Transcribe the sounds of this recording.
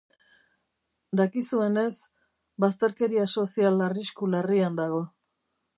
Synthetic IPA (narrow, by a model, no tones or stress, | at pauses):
d̪akisue̞ne̞s | bast̪e̞ɾke̞ɾiaso̞sialariskulariand̪aɣ̞o̞